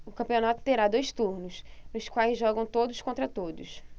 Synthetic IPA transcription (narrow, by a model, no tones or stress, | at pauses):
ʊkɐ̃mpionat̪ʊ̥t̪eɾad̪ojst̪uɾnʊsnʊskwajzʒɔɡɐ̃w̃t̪od̪ʊskõnt̪ɾɐt̪od̪ʊs